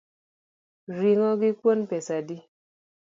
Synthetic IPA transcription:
ɾiŋɔɡikwonpɛsadi

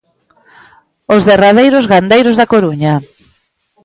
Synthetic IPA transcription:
ozðeraðejɾʊzɣand̪ejɾʊzðakoɾuɲa

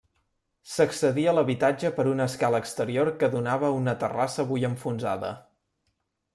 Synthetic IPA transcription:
səksəðiəːləβit̪ad͡ʒəpəɾunəskaləːkst̪əɾioɾkəðunaβəunət̪ərasəβujəɱfunza̰ðə̰

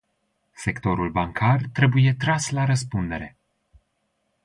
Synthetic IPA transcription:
se̞kt̪o̞ɾulbaŋkʰart̪ɾe̞buje̞t̪ɾaslaɾəspund̪e̞ɾe̞

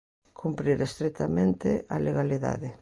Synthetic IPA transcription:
kʰumpɾiɾest̪ɾet̪amẽnt̪ḛʔaleɣaliða̰ðɪ

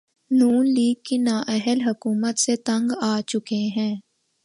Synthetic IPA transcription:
nuːnliːɡ̚kinaːʔɛɦəlɦɐkuːmət̪set̪ɐ̃ŋɡaːt͡ʃʊkeɦɛ̃ː

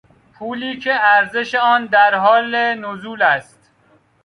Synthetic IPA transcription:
pʰuːliːcʰe̞æɾze̞ʃeɒːnd̪æɾɦɒːlenozuːlæst̪

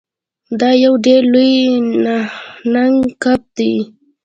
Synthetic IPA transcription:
d̪ajawɖelʊjnanaŋkap̚t̪ɪ

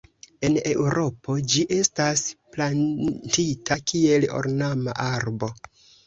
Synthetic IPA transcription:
e̞ne̞wɾo̞pʰo̞d͡ʒiʔe̞stasplantitʰakie̞lo̰ɾnama̰ʔaɾbo̞

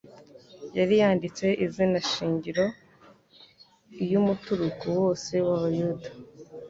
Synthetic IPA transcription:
jaɾijaːndit͡se̞ʔizinaʃiːɲɟiɾo̞ | jumutuɾukuwo̞ːse̞waβajudḁ

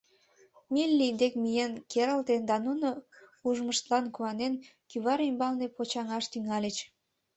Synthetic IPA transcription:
milʲːid̪ekmijenkeɾəlt̪end̪ɑnunouʒməʃt̪lɑnkuɑnenkyβɑɾimbɑlnepot͡ɕɑŋɑʃt̪yŋɑlʲet͡ɕ

